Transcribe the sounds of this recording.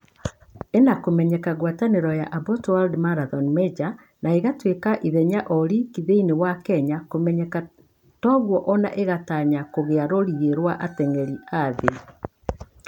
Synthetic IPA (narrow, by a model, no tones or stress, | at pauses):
enakomɛɲɛkaɣwataneɾɔjaʔabɔtwaldmaɾaðɔnmɛd͡ʒa | naeɣatwekaʔiðɛɲaʔɔɾikiðeinewakɛɲakomɛɲɛka | tɔɣwɔʔɔna̰ʔeɣataɲakoɣeaɾoɾiɣeɾwaʔatɛŋɛɾiaðe